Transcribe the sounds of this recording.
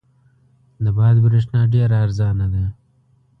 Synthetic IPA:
d̪ɐbɑːd̪bɾeʂnaːɖeːɾaːɾzɑːnad̪aː

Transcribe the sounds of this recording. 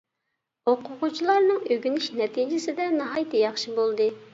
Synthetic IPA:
oqʊʁʊt͡ʃʰilˠɑɾnɨŋøɡʲynɪʃnɛt̪ʰid͡ʒɪsɪd̪ɛnɑɦɑjt̪ʰɛjɑχʃibolˠd̪ɨ

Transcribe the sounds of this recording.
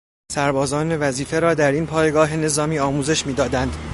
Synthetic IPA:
sæɾbɒːzɒːne̞væziːfe̞ɾɒːd̪æɾiːnpʰɒːjeɡɒːɦe̞ne̞zɒːmiːɒːmuːze̞ʃmiːd̪ɒːd̪ænd̪

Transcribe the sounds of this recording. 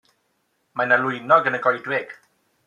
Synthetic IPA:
manalʊjnɔɡənəɡɔjdwɪɡ̥

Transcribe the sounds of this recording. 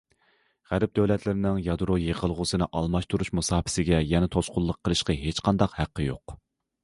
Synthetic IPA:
ʁæɾɪp̚d̪øwlɛt̪ʰlɪɾɪnɪŋjɑd̪ɾojeʁəlˠʁʊsɨnɨʔɑlˠmɑʃt̪ʰuɾuʃmusɑːpɪ̥sɪɡʲɛjɛnɛt̪ʰosqʊlˠːəqʰːəlˠɨʃqɑɦet͡ʃqʰɑnd̪ɑqhæqːəjo̰q

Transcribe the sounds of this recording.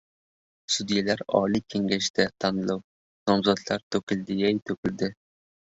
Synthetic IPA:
sud̪ijɛlæɾɑ̰ːlˠikʲʰeŋɡʲɛʃd̪ɛt̪ʰɑnɨlˠɑw | nɑmzɑt̪ʰlˠɑɾt̪ʰøkʲild̪ɪjɛjt̪ʰøkʲʰild̪ɪ

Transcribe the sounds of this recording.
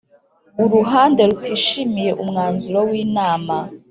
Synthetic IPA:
uɾuɦaːnde̞ɾutʰiːʃimije̞ʔumŋaːnzuɾowiːnaːma

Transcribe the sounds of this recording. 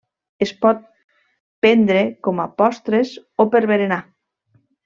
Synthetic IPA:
espɔt̪̚ | pend̪ɾekomapɔst̪ɾes | opeɾβeɾena

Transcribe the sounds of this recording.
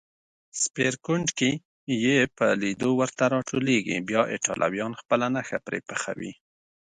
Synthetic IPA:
speɾkʊɳɖke | jepəlid̪owəɾt̪aɾɑʈʰoleɡḭbjɑʔeʈɑ̰lʔa̰wjɑnxpəlanaxapɾḛpəxa̰wḭ

